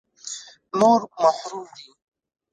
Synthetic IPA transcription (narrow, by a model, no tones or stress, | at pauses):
noːɾmaħɾuːmd̪i